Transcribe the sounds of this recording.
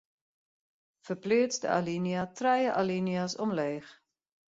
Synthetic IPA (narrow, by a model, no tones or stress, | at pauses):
fərplɪətsdə̰a̰liniatrɛjəʔaliniasɔmleːχ